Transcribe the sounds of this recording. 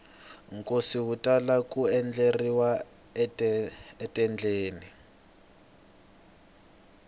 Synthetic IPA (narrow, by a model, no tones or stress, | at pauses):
ŋkʼosiwutʼalakuɛnd͡ɮeriwa | ɛtʼɛnd͡ɮeːni